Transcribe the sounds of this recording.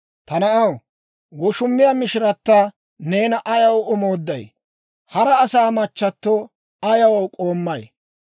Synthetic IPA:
t̪ɐnɐʔɐw | ɡɔʃʊmːɪjamɪʃɪɾɐt̪ːa | ne̞ːnɐʔɐjɐwʊmoːd̪ːɐj | hɐɾɐːsaːmɐt͡ʃːɐt̪ːoː | ɐjɐwkʼo̞ːmːɐj

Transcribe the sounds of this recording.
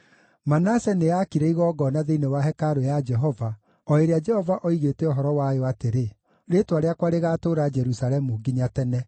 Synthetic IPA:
manasɛneakiɾɛiɣɔːɡɔnaðeinewaɦɛkaɾojad͡ʒɛɦɔva | ɔeɾead͡ʒɛhɔvaʔɔiɣetɛɔɦɔɾɔwajoateɾe | ɾetwaɾeakwaɾeɣaːtoːɾad͡ʒɛɾusaɾɛmuɡiɲatɛnɛ

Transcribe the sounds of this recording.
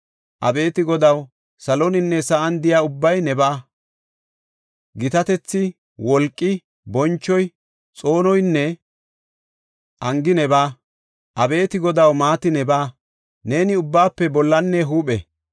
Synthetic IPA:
ʔɐ̰be̞ːt̪ɪɡɔd̪ɐw | sɐlɔnɪnːɛsɐʔɐnd̪ɪjaːʊbːɐjnɛbaː | ɡɪt̪ɐt̪ɛt͡sːɪ | wɔlkʼːɪ | bɔnt͡ʃːɔj | t͡sʼo̞ːnɔjnːɛ | ʔɐŋɡɪnɛbaː | ʔɐbe̞ːt̪ɪɡɔd̪ɐwmaːt̪ɪnɛbaː | ne̞ːnɪʊbːaːpːɛbɔlːɐnːɛɦuːpɛ̰

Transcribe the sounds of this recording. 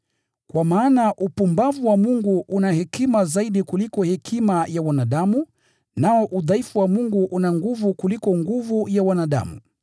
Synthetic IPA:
kwamaːnaʔupumbavuwamuŋɡuʔunahɛkimazaiɗikulikɔhɛkʰimajawanaɗamu | naɔʔuðaifuwamuŋɡuʔunaŋɡuvukulikɔŋɡuvujawanaɗa̰mṵ

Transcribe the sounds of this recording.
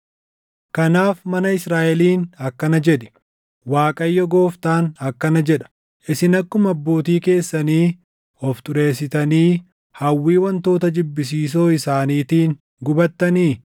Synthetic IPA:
kɐnaːfmɐnɐɪsɾaːʔɛliːnɐkːɐnɐd͡ʒɛᶑɪ̥ | waːkʼɐjːɔɡo̞ːft̪aːnɐkːɐnɐd͡ʒɛᶑɐ̥ | ʔɪsɪnɐkːʊmɐbːo̞ːt̪iːke̞ːsːɐniː | ɔft̪ʊɾe̞ːsːɪt̪ɐniː | hɐwːiːwɐnt̪o̞ːt̪ɐd͡ʒɪbːɪs̬iːs̬o̞ːɪsaːniːt̪iːn | ɡʊbɐt̪ːɐniː

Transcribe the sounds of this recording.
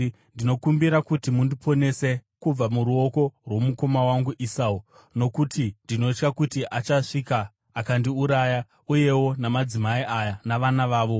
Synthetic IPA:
ndino̞kumbiɾakutimundipo̞ne̞se̞kub͡vamuɾuo̞ko̞rwo̞muko̞mawaŋɡuʔisau | no̞kutʰindino̞t͡ʃkakutiʔat͡ʃaʂikaː | kandiuɾaja | uje̞wo̞namad͡zimaiʔajanaʋanaʋaːʋo̞

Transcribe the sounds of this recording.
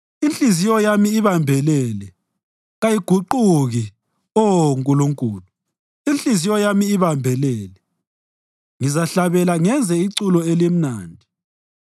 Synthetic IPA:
inɬʼizijɔjamiːβambʱɛlɛlɛ | ɣajiɡ̥ʱuǃuɣi | ɔŋkʼuluŋkʼuːlu | inɬizijɔjamiːβambʱɛlɛːlɛ | ŋizaɬaβɛlaŋɛnd͡zʱɛiǀulɔelem̩naːndʱi

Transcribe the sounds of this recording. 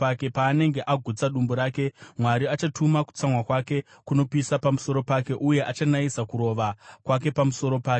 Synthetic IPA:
ake̞paːne̞ŋɡe̞ʔaɡʱut͡saɗumboɾaːke̞mwaɾiat͡ʃatʰumaku̥t͡samwakwake̞ | kuno̞pisapamuso̞ɾo̞pake̞ʔuje̞ʔat͡ʃanaisakuɾo̞ʋakwak̬e̞pamuso̞ɾo̞paːk

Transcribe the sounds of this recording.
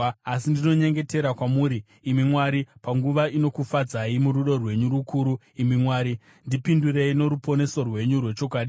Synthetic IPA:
asindino̞ɲe̞ŋɡe̞te̞ɾakwamuːɾiː | mimwaɾipaŋɡuʋaino̞kufad͡zaimuɾuɗo̞rwe̞ɲuɾukuːɾu | imimwaːɾi | ndipindure̞ino̞ɾupo̞ne̞so̞rwe̞ɲurwe̞t͡ʃo̞kwaːɗi

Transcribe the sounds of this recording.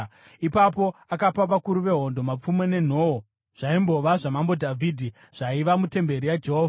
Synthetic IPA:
ipapo̞akapaʋakuɾuʋe̞ɦo̞ndo̞map͡fume̞ne̞n̤o̞o | ʐ̥aimbo̞ʋaʐamambo̞dʱavʱidʱi | ʐ̥aiʋamute̞mbe̞ɾijad͡ʒe̞ɦoːva

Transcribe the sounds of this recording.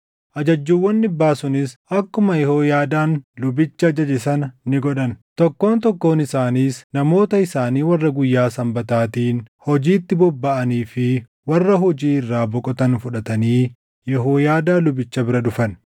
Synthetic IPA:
ʔɐd͡ʒɐd͡ʒːuːwːɐnːɪbːaːsʊnɪsɐkːʊmɐjɛhoːjaːd̪aːnlʊbɪt͡ʃːɐːd͡ʒɐd͡ʒɪsɐnnɪɡɔᶑɐnt̪ɔkːo̞ːnt̪ɔkːo̞ːnɪsaːniːsnɐmo̞ːt̪ɐɪsaːniːwɐrːɐɡʊjːaːsɐmbɐt̪aːt̪iːnhɔd͡ʒiːt̪ːɪbɔbːɐʔɐniːfɪ | wɐrːɐɦɔd͡ʒiːɪrːaːbɔkʼɔt̪ɐnfʊᶑɐt̪ɐniː | jɛɦoːjaːd̪aːlʊbɪt͡ʃːɐbɪɾɐᶑʊfɐn

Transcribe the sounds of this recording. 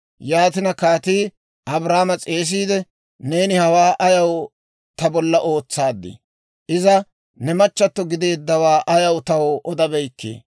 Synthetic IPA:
jaːt̪ɪnɐkaːt̪iː | ʔɐbɾaːmɐt͡sʼe̞ːs̬iːd̪ɛ | ne̞ːnɪhɐwaːʔɐjɐw | t̪ɐbɔlːɐʔo̞ːt͡sːaːd̪ːɪ̰ | ʔɪzɐ | nɛmɐt͡ʃːɐt̪ːɔɡɪd̪e̞ːd̪ːɐwaːʔɐjɐwt̪ɐwɔʔɔd̪ɐbɛjkːḛː

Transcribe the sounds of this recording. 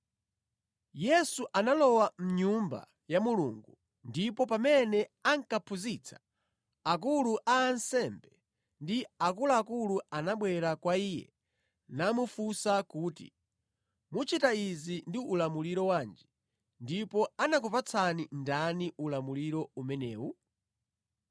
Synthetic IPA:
jɛsuʔanalɔwam̩ɲumba̰ | jamulṵŋɡu | ndipɔpamɛnɛaŋkapʰuzit͡sʰḁ | ak̬uluʔaːnsɛmbɛ | ndiakuluakuluanaɓwɛɾakwaiːjɛ̰ | namufusakuːtḭ | mut͡ʃitaizindiulamuliɾɔwaːnd͡ʒi | ndipɔanak̬upat͡sʰanindaniʔulamuliɾɔumɛnɛ̰ːwu

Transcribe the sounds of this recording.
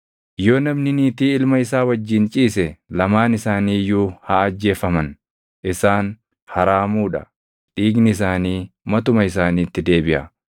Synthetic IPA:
jo̞ːnɐmnɪniːt̪iːɪlmɐɪsaːwɐd͡ʒːɪnt͡ʃʼiːsɛlɐmaːnɪsaːniːjuːhaɐd͡ʒːe̞ːfɐmɐn | ʔɪsaːn | hɐɾaːmuːᶑɐ̰ | ᶑiːɡnɪɪs̬aːniːmɐt̪ʊmɐɪs̬aːniːt̪ːɪd̪e̞ːbɪʔɐ̰

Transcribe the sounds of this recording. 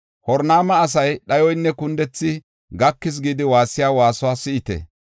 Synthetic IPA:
hɔɾnaːmɐːs̬ɐjɗɐjɔjnːɛkʊnd̪ɛt͡sːɪ | ɡɐkːɪs̬ɡiːd̪ɪwaːsːɪjaːwaːsɔwaːsɪʔɪt̪ɛ̰

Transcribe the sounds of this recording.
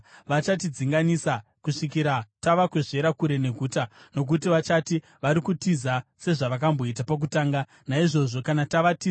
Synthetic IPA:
ʋat͡ʃat̬id͡ziŋɡanisakuʂikiɾataʋakweʐe̞ɾakuɾe̞ne̞ɡʱuːtano̞k̬utiʋat͡ʃati | ʋaɾikutizase̞ʐaʋakambo̞it̬apak̬utaːŋɡa | naiʐo̞ʐo̞kanataʋati

